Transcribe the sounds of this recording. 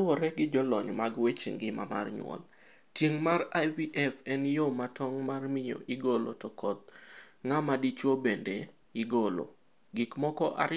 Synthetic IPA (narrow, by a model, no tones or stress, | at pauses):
wɔɾɛɡɪd͡ʒɔlɔɲmaɡwet͡ʃḭŋɡɪma̰ma̰rɲwɔ̰l | tjeŋmarajviʔɛfɛnjomatɔŋmarmɪjo̰ʔɪɡolo̰tɔkɔt̪̚ŋamadit͡ʃwobende | ɪɡolo̰ | ɡɪkmɔkɔʔa̰